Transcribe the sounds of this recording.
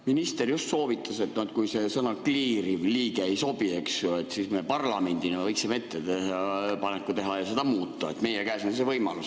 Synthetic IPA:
minist̪e̞rjust̪so̞ːvit̪ˑːɑse̞t̪ːˑnot̪̚kujse̞sɤnɑkliːɾivliːɡ̥eejso̞b̥ie̞ksjoe̞t̪ːsismepɑrlɑme̞nʲd̪̥inevɤjkseme̞t̪ːet̪ehɑpɑnekːˑut̪e̞ɦɑjɑse̞d̪ɑmuːt̪ˑːɑet̪me̞jekæːsonse̞vɤjmɑ̰lus

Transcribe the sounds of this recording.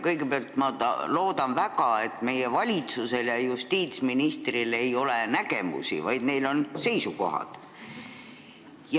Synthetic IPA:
kɤjɡe̞peɑlt̪mɑɑlo̞ːd̪ɑnvæɡɑe̞t̪ːˑme̞jevɑlʲit̪suse̞ljɑjust̪iːt̪sminist̪rile̞jo̞lenæɡ̥e̞mṵsḭvɑjd̪̥ne̞jlo̞nse̞jsuko̞ɦɑ̰d̪̥ | j

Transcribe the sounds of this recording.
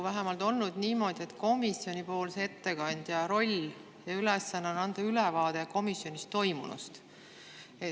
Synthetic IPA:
væɦemɑlt̪o̞lnud̪̥niːmo̞ːd̪̥ʲie̞t̪ko̞misjo̞nʲipo̞ːlse̞t̪ːe̞kɑnʲd̪̥jɑɾo̞lʲ | jɑylesːɑnːenɑnd̪̥ɑylɛvɑːd̪̥e̞ko̞misjo̞nʲist̪ːo̞jmṵnṵst̪ | e

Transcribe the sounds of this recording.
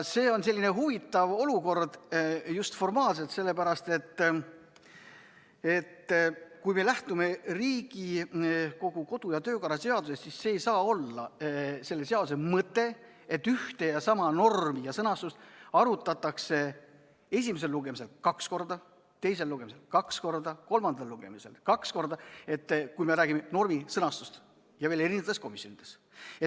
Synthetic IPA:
se̞ːo̞nse̞lʲːine̞ɦuvit̪ːˑɑvo̞luko̞rd̪̥just̪fo̞rmɑːlse̞lt̪se̞lːepæɾɑst̪e̞t̪ː | e̞t̪ːkujme̞læht̪ume̞riːɡiko̞ɡ̥uko̞d̪̥ujɑt̪ø̞ːkɑɾɑse̞ɑd̪̥use̞st̪sisseːjsɑːo̞lːɑ̰se̞lːe̞se̞ɑd̪usemɤt̪ːˑe̞ | et̪ːyht̪e̞jɑsɑmɑno̞rmijɑsɤnɑst̪ust̪ɑɾut̪ːˑɑt̪ːˑɑkse̞ | e̞s̬ʲimes̬e̞lːuɡ̥e̞mise̞lkɑksko̞rd̪ɑ | t̪e̞jse̞lːuɡemise̞lkɑksko̞rd̪ɑko̞lmɑnd̪̥ɑlluɡ̥e̞̰mise̞lkɑksko̞rd̪ɑe̞t̪ːkujme̞ɾæːɡ̥imeno̞rmisɤnɑst̪ust̪ | jɑveːle̞ɾind̪esko̞misːo̞nid̪̥e̞s | et̪ː

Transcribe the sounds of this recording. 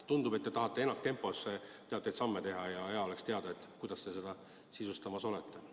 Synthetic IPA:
t̪und̪ube̞t̪ːe̞t̪ɑɦɑt̪ːˑe̞e̞nːɑkt̪e̞mpːˑo̞sːet̪eɑt̪ːˑejd̪sɑmːet̪e̞ɦɑjɑeɑole̞kst̪eɑd̪ɑet̪ːˑkujd̪ɑst̪e̞se̞d̪̥ɑ | sisust̪ɑmɑso̞let̪ːe̞

